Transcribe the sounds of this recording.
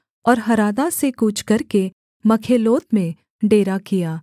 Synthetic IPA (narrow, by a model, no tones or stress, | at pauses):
ɔːɾɦɐɾaːd̪asekuːt͡ʃʰkɐɾke | mɐkʰeːloːt̪mẽ | ɖeːɾakijaː